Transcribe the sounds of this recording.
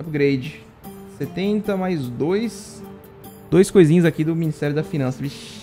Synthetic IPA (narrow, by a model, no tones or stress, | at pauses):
pɡɾejd͡ʒɪ | set̪ẽnt̪ɐmajzd̪ojs | d̪̥ojskojzĩɲʊzakid̪ʊminist̪ɛɾjʊd̪ɐfinɐ̃sɐviʃ